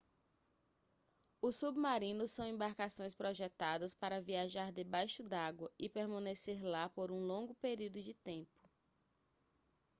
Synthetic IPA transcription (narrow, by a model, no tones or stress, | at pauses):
ʊsubmaɾĩnʊsɐ̃w̃ẽmbaɾkasõj̃spɾoʒɛt̪ad̪ɐspaɾɐviaʒaɾd̪ɪbajʃʊd̪aɡwɐɪpeɾmɐ̃neseɾlapoɾũlõɡʊpeɾiwd̪ʊd͡ʒɪt̪ẽpʊ̥